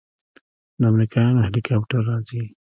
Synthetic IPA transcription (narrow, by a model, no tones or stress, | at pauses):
d̪əamɾikɑjɑnohelikʰapʈəɾːɑzi